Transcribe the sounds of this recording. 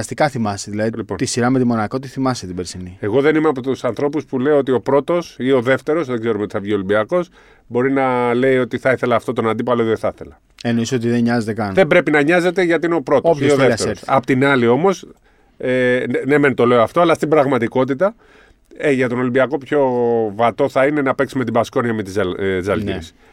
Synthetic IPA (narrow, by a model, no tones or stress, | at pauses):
ɐst̪ikɐθimɐseðilɐðilipont̪isiɾɐmet̪imo̞nɐko̞t̪iθimɐset̪ibeɾsinieɣo̞ðe̞nimeɐpot̪usɐnθɾo̞puspule̞ioot̪̬io̞pɾo̞t̪o̞sio̞ðe̞ft̪e̞ɾo̞zðeɡze̞ɾumet̪i̥θɐvʝio̞limbiɐko̞s | bo̞ɾinɐle̞io̞t̪iθɐiθe̞lɐːft̪o̞t̪onɐnd̪ip̬ɐloðθɐθe̞̰lɐ | enoisot̪iðeɲɐzet̪ekɐnðe̞mbɾe̞pinɐɲɐze̞t̪e̞ʝɐt̪iineo̞pɾo̞t̪osioððefeɾossɐpot̪inɐlio̞mo̞s | enement̪o̞le̞oɐft̪o̞ɐlɐst̪ibɾɐɣmɐt̪iko̞t̪it̪ɐ | eʝɐt̪o̞no̞limbiɐko̞pço̞vɐt̪o̞θɐine̞nɐpeksime̞t̪̬ibɐsko̞niɐmet̪izzɐlʝḭɾis